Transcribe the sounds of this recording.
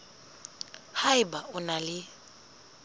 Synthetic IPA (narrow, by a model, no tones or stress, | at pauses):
haɪbaʔʊnalɪ